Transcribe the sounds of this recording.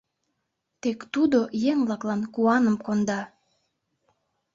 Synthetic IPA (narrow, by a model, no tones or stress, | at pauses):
t̪ekt̪ud̪ojeŋblɑklɑnkuɑnəmkond̪ɑ